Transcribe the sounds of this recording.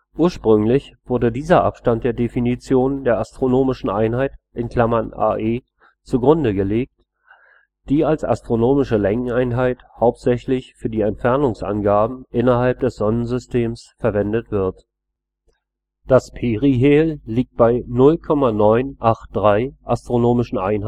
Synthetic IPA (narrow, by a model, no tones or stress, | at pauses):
ʔʔuːɐʃpʁ̥ʏŋlɪçv̥ʊɐdədiːzɐʔa̰pʃtantd̥eːɐdefinit͡sjoːndeːɐastʁ̥onoːmɪʃn̩ʔaɪnhaɪtʔɪnkl̥amɐnʔa̰ːʔeː | t͡suɡʁʊndəɡəleːk̚t | d̥iːalsa̰stʁ̥onoːmɪʃəlɛŋŋ̩aɪnɦaɪthaʊp̚tz̥ɛçlɪçfyːɐdiːɛntfɛɐnʊŋsʔa̰nɡaːbm̩ʔɪnɐɦalp̚d̥ɛsz̥ɔnənzʏstʰeːmsfɛɐvɛndətv̥ɪɐt | d̥aspʰeːʁiɦeːlliːk̚t̚b̥aɪnʊlkʰɔmanɔʏnʔaχt̚d̥ʁaɪʔastʁ̥onoːmɪʃn̩ʔa̰ɪnh